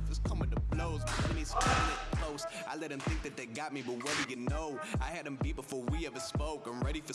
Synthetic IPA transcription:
d͡ʒʌskʰʌ̃mɪ̃ntɨbloʊzɨ̃niz̥kʰãɨtkʰl̥oʊsaɪlɛt̚hɨ̃mθɪ̃ŋk̚ðɨt̪̚ðeɪɡɑt̚mibʌt̚wɛdɨjɨnoʊaɪɨɾ̚ɨ̃mbit̚b̥əfɔɹwiɛvə˞spoʊkãmɹɛɾifə˞

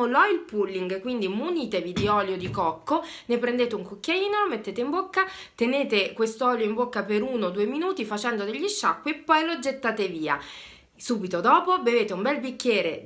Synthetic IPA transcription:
olɔilpulːiŋɡkwind̪imuniːt̪evid̪iɔljod̪ikɔkːo | nepɾend̪eːt̪euŋkokːjaiːnolomet̪ːeːt̪eimbokːa | t̪eneːt̪ekwest̪oɔːljoimbokːapeɾuːnod̪uːeminuːt̪ifat͡ʃɛnd̪od̪eʎːiʃːakːwiepːɔjlod͡ʒet̪ːaːt̪eviːa̰ | suːbit̪od̪ɔːpobeveːt̪eumbɛlbikʲːjɛːɾe

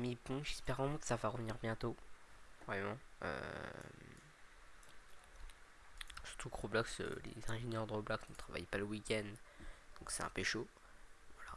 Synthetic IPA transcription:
mibɔ̃ʒɛspɛʁɑ̃makə̥savaʁəvniʁbjɛ̃t̪o | vʁɛmɑ̃ø̰m | sy̥ʁ̥t̪ukʁoblɔksø̰lḛzɛ̃ʒenjœʁd̪əʁoblɔksnət̪χava̰jpaləwikʲɛnd̪d̪ɔ̃ksɛt̪ɛ̰̃peʃo | vwala

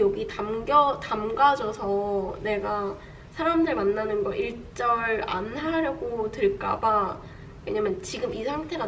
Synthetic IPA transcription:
jʌɡitamɡʌtamɡad͡ʑʌsʰʌne̞ɡa | sʰaɾamdɯɭmanːanɯnɡʌʔiɭt͡ɕ͈ʌɭa̰nɦaɾjʌɡotɯɭk͈a̰ba | we̞̰ɲamjʌnt͡ɕiɡɯmisʰaŋtʰe̞ɾa

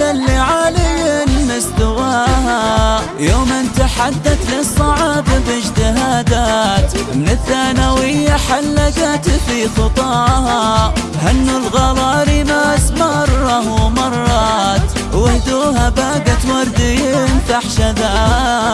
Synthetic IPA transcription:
alːiʕalɪjɪnmɪst̪ʊwaːʔha | joːmʔɪnt̪aħad̪ːaθlɪsˤːɑʕɑːbabɪd͡ʒt̪ɪɦaːd̪aːt̪mnɪθːaːnawɪjːaħalːakat̪fixɨt̪ˤɑːʔha | hanːʊlɣɑlɑːɾimasmɑrˤːɑumɑrˤːɑt̪ | wɪhd̪uːhabaːɡat̪wɑɾˤd̪ɪjnfaħʃaðaː

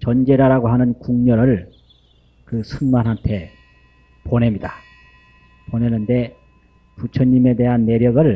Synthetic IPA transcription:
t͡ɕʌnd͡ʑe̞ɾaɾaɡoɦanɯnkuŋɲʌɾɯɭ | kɯsʰunmanɦantʰe̞ | ponɦe̞mɲida | pone̞nɯnde̞ | put͡ɕʰʌɲːime̞de̞ɦanːe̞ɾjʌɡɯɭ

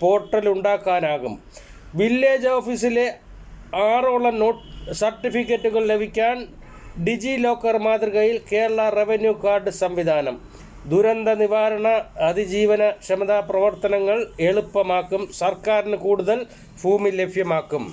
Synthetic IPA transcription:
po̞ːrʈːɐluɳɖaːkːaːnaːɣum | ʋilːe̞ːd͡ʑoːfisile̞ | aːroɭːɐnoːʈsɐrʈːifikʲːɐtːuɣɐɭle̞bʱikʲːaːn | ɖid͡ʑilo̞ːkːɐrmaːd̪riɣɐjilke̞ːɾɐɭɐre̞ʋenjukaːrɖɨsɐmʋid̪ʱaːnɐm | d̪uɾɐnd̪ɐniʋaːɾɐɳɐːd̪id͡ʑiːʋɐnɐɕɐmɐd̪aːprɐʋɐrt̪ɐnɐŋːɐɭe̞ɭupːɐmaːkːumsɐrkaːɾinɨkuːɽuðɐl | fuːmile̞bʱjɐmaːkːum

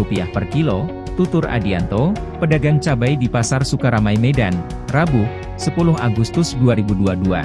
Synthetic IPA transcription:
upiahpərkilo | t̪ut̪ʊɾa̰diant̪o | pədaɡaŋt͡ʃabajdipasarsukaɾamajmedan | rabu | səpulʊɦaɡust̪ʊsduaɾibuduadua̰

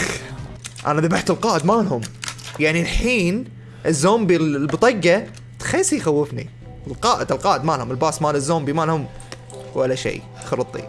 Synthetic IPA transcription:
ʔa̰naðabaħt̪ɪlqɑːʔɪd̪maːlɦʊmjaʕnilħiːn | ʔɪzːoːmbillbt̪ˤɑɡːa | t̪xaːsˤijxawːɪfnḭ | lqɑːʔɪd̪ɪlqɑːʔɪd̪maːlhʊmɪlbaːsmaːlɪzːoːmbimaːlhʊm | walːaʃḛː | xɑɾɨt̪ˤːḭ

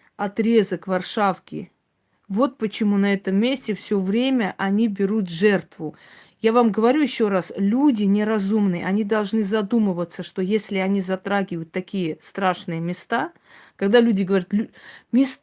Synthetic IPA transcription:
ɐt̪ɾʲezəkvɐrʂafkʲɪ̰ | vo̞t̪̚pət͡ɕɪmunɐɛt̪əmːʲesʲtʲɪfsʲovɾʲemʲəʔɐnʲibʲɪɾut̪ʐɛrt̪vʊ | javamɡəvɐɾʲujɪɕːo̞ɾaslʲudʲɪnʲɪɾɐzumnɨjə̰ʔɐnʲid̪ɐlˠʐnɨzɐd̪umɨvət̪səʂt̪o̞jesʲlʲɪɐnʲizɐt̪ɾaɡʲɪvəjʊt̪ːɐkʲijəst̪ɾaʂnɨjəmʲɪst̪a | kɐɡd̪alʲudʲɪɡəvɐɾʲat̪lʲumʲɪs

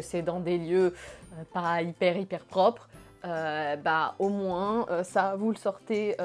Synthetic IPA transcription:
əsɛd̪ɑ̃d̪eljøøpaipɛʁipɛʁpχɔpχ | øbaomwɛ̃øsavuləsɔʁt̪e

